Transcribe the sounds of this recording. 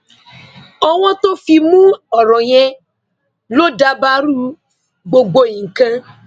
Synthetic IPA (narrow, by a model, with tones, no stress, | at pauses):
ɔ˧w̃ɔ̃˦to˦fi˧mũ˦ɔ˨ɾɔ̃˨j̃ɛ̃˧ | lo˦da˧ba˦ɾu˦ | ɡ͡bo˧ɡ͡bo˧ĩ˨kã˧